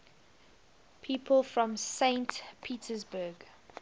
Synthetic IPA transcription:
pʰiːˑpʰəlˠfɹɔ̃msẽɪ̃ntpʰiːtʰəzbəɡ

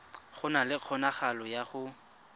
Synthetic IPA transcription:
χʊnalɪq͡χʰɔnaχalɔjaχʊ

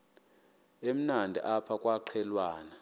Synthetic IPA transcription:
em̩nandʱḭʔapʰakʼwaǃʰɛlwaːna

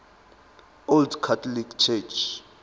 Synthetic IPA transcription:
oldkʰatʰɔlikʰt͡ʃʰɛt͡ʃʰ

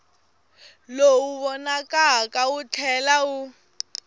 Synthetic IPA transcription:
louβɔnakʼakaut͡ɬʰɛlau

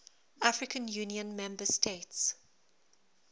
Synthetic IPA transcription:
afɹɪkə̃njuːniə̃nmɛ̃mbəstʰets

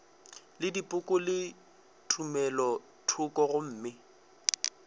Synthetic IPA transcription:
lɪdipʼʊkʼʊlɪ | tʰumɛlɔ | tʰʊkɔɣʊm̩ːmɪ

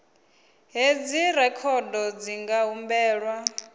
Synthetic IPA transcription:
ɦed͡ziɾɛkʰɔdɔd͡ziŋɡaɦumbɛːɺwa

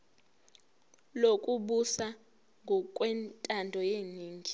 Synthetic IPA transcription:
lokʼuɓusa | ŋɡʱɔkʼwɛntʼandʱɔjeːniːŋʱi

